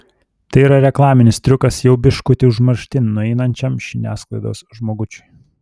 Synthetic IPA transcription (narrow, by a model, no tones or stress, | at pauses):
t̪ɐɪiːɾɐɾʲɛklˠɑːmʲɪnʲɪst̪ʲɾʲʊkɐsjɛʊbʲɪʃkʊt̪ʲɪʊʒmɐɾʲʃʲt̪ʲɪnnʊɛɪnɐnʲt͡ʃʲɛmʃʲɪnʲæ̰ːsklˠɐɪd̪o̰ːsʒmoːɡʊt͡ʃʲʊj